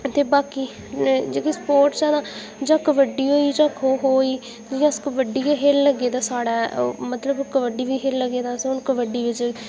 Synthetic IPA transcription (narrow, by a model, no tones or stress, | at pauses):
t̪eːbaːkiː | d͡ʒeːkespoːɾʈt͡ʃɛːnãː | d͡ʒãːkʋəɖiːɦoːiːd͡ʒãːkoːɦoːiː | d͡ʒɪjãːskəʋəɖiːɦelːəɡeːd̪aːsaːɽa̰ːmət̪ləbkəʋəɖiːʋiːɦeːlləɡeːd̪aːsʊnkəʋəɖiːʋɪt͡ʃ